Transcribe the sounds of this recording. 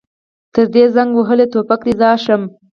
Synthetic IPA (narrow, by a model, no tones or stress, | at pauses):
t̪əɾd̪ezaŋɡwəɦəlet̪opakd̪ezɑʃəm